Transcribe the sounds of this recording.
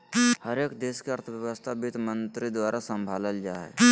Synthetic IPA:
həɾeːkd̪eːskeɐɾt̪ʰəʋjəʋəst̪ʰabɪt̪mə̃nt̪ɾid̪waːɾasə̃mbʱaːləld͡ʒa̰ːɦɛ̰

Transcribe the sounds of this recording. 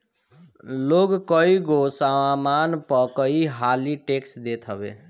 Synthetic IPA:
loɡkʌiɡosaamanpəkʌiɦaliʈeksd̪et̪ʰɦʌbḛ

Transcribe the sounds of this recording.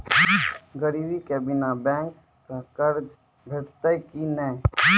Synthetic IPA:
ɡəɾiːbikɛːbinabɛ̃ːŋk | səkəɾd͡ʒ | bʱeʈt̪əkinɛ

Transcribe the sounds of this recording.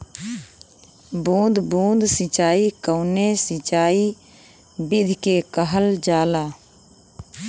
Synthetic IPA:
bũːd̪bũːnd̪ʱsɪt͡ʃaːikəʊnesɪt͡ʃaːi | bɪd̪ʱkekəɦəld͡ʒaːlaː

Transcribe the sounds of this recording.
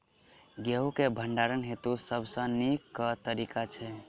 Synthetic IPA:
ɡeɦukebʱəɳɖaɾənɦet̪usəbʱsə̃nikːət̪əɾikat͡ʃʰɛ

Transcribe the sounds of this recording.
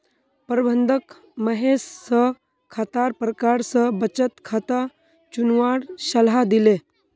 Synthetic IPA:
pəɾbʱənd̪ʱək | məɦesːə | kʰat̪aɾpɾəkaɾsəbət͡ɕət̪kʰat̪a | t͡ɕunʋaɽɕəlɦad̪ile

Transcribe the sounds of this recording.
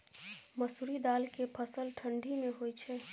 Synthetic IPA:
məsuɾid̪aːlkepʰəsəlʈʰə̃ɳɖimẽɦojt͡ʃʰɛ

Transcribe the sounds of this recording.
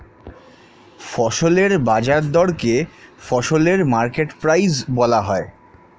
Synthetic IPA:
fɔʃoleɾbad͡ʑaɾd̪ɔɽkefɔʃoleɾmaɾkeʈpɾajzbɔlaɦɔe

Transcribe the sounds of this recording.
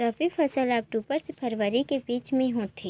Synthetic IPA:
ɾɐfifʰɐsəlaːp̚ʈuːpəɾsepʰɐɾʋəɾikebiːt͡ʃmẽɦõːt̪ʰeː

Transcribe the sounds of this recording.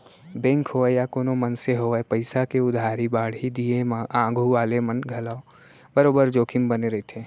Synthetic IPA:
bẽːŋkɦoɛjakoːnomənseɦoɛpəɪsakeʊd̪ʱaːɾibaːɽ̤id̪iemaãːɡʱuʋaːlemənɡʱɐlao | bəɾoːbəɾd͡ʒoːkʰɪmbəneɾɐit̪ʰeː

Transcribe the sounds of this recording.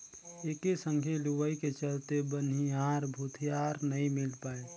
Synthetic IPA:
eːkesə̃ŋɡʱeluʋəiket͡ʃəlt̪ebəniaːɾbʱut̪ʰijaːɾnəɦĩmɪlpaːe

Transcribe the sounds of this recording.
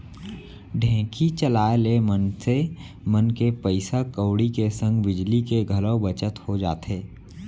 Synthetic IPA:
ɖʱɛ̃ːkʰit͡ʃəlaːelemənse | mənkepəɪsakəːɽikesə̃ŋɡbɪd͡ʒlikeɡʱələbət͡ʃət̪hod͡ʒa̰ːt̪eː

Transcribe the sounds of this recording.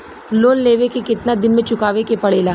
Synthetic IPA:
loːnleːʋekekɪt̪nad̪ɪnmẽt͡ʃʊkaːʋekepɐɽeːlaː

